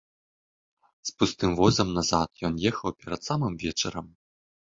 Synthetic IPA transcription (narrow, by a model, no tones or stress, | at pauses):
spust̪ɨmvɔzɐmnazat̪jɔnjɛxɐwpʲɛɾɐt̪samɨmvʲɛt͡ʂɐɾɐm